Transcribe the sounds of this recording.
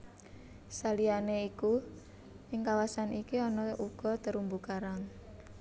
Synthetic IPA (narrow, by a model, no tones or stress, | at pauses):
salianeiku | ʔɪŋkawasanikiɔnɔʔuɡ̥ɔ̤t̪əɾumbukaɾaŋ